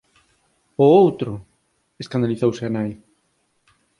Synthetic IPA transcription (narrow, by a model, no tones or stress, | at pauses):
ʊowt̪ɾʊ | eskand̪aliθowseanaj